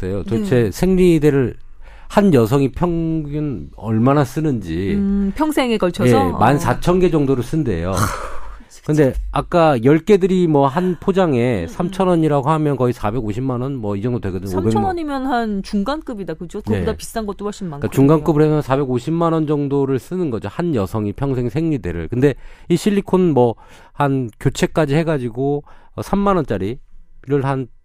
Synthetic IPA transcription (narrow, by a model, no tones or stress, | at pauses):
sejot͡ɕot͡ɕʰe̞sʰe̞ŋɾideɾɯɭ | hanjʌsʰʌŋipʰjʌŋɡɯn | ʌɭmanas͈ɯnɯnd͡ʑipʰjʌŋsʰe̞ŋekʌɭt͡ɕʰʌjemansʰat͡ɕʰʌnɡe̞d͡ʑʌŋdoɾɯɭs͈ɯnde̞̰jo | kɯndeak͈ajʌɭk͈e̞dɯɾimwʌɦanpʰod͡ʑaŋe̞sʰamt͡ɕʰʌnʌɲiɾaɡohamjʌnkʌisʰabe̞ɡoɕʰimːanʌnmwʌid͡ʑʌŋdodwe̞ɡʌdɯɲobemnɲimjʌnhant͡ɕuŋɡank͈ɯbidakɯd͡ʑoedapist͈anɡʌt͈oaɕ͈ʰimːakat͡ɕuŋɡank͈ɯbɯɾɯhemjʌnsʰabe̞ɡoɕʰimːanʌnd͡ʑʌŋdoɾɯɭs͈ɯnɯnɡʌd͡ʑohanjʌsʰʌŋipʰjʌŋsʰe̞ŋsʰe̞ŋɲide̞̰ɾɯ̰ɭkɯnde̞iɕʰiʎːikʰonnmwʌ | hankjot͡ɕʰe̞k͈ad͡ʑihe̞ɡad͡ʑiɡo | ʌsʰamːanʌnt͡ɕ͈aɾiiɾɯɭɦan